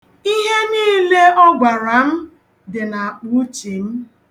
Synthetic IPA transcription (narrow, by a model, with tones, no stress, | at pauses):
i˦ɦe˦niː˦le˦ɔ˦ɡʷa˨ɾa˨m̩˦ | dɪ˨na˨k͡pu˦t͡ʃi˨m̩˦